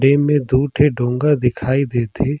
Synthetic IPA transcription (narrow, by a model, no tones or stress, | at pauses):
ɖemẽd̪uːʈʰeɖʱõːŋɡad̪ɪkʰaːid̪eːt̪ʰeː